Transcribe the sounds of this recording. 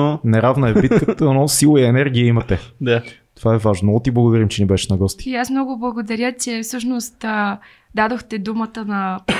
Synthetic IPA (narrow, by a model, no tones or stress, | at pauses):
nɛɾavnəɛbit̪kət̪ənɔsilˠoiɛnɛɾɡʲiəimɐt̪ɛd̪at̪ovaɛvaʒnot̪iblˠɐɡod̪ɐɾimt͡ʃɛnibɛʃnɐɡɔst̪i̥iasmnɔɡʊblˠɐɡod̪ɐɾʲjət͡ʃɛfsɤʃnost̪ː | d̪ad̪oxt̪ɛd̪umət̪ənɐ